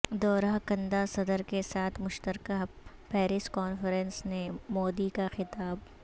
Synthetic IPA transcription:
d̪ɔːɾaɦkɐ̃nd̪asɐd̪əɾkesaːt̪ʰmʊʃt̪əɾkaɦpɛːɾɪskɔːnfəɾɛ̃nsnemɔːd̪ikaxɪt̪aːb

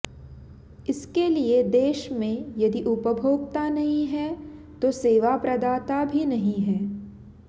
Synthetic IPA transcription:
ɪskelied̪eːʃmẽjɐd̪iʔʊpəbʱoːɡt̪anɐɦĩɦɛt̪oseːʋapɾɐd̪aːt̪abʱinɐɦĩɦɛː

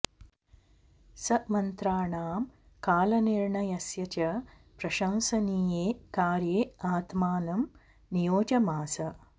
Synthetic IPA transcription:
sɐmɐnt̪ɾaːɳaːm | kaːlɐniɾɳɐjɐsjɐt͡ʃɐ | pɾɐʃɐnsɐniːjeːkaːɾjeːaːt̪maːnɐm | nijoːd͡ʒɐmaːsɐ

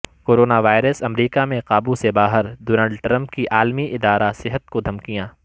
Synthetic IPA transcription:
koːɾoːnaʋaːɪɾəsɐmɾiːkamẽqaːbusebaːɦəɾɖoːnaːɭɖʈɾɐ̃mpkiʔaːlmiʔɪd̪aːɾasɪɦət̪̚kod̪ʱɐmkijãː

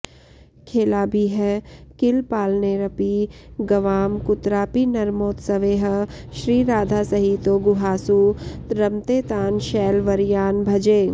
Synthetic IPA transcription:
kʰeːlabʱiɦɛkɪlpaːlneɾɐpiɡɐʋaːmkʊt̪ɾaːpinɐɾmoːt̪sɐʋeːɦʃɾiːɾaːd̪ʱasɐɦiːt̪oɡʊɦaːsuɾɐmt̪eːt̪aːnʃɛːlʋɐɾjaːnbʱɐd͡ʒeː

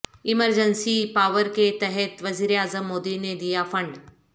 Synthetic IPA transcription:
ɪməɾd͡ʒənsipaːʋəɾket̪ɛɦɛt̪ʋɐziːɾeaːzəmːoːd̪ined̪ijafɐ̃ɳɖ

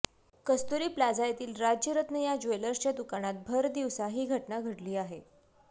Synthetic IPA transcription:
kəst̪uɾiːplad͡zajt̪iːlɾad͡ʑjəɾət̪nəjad͡ʑojləɾt͡ɕad̪ukaɽ̃at̪̚bʱəɾd̪iʋsaɦiːɡʱəʈnaɡʱəʈliːaɦe

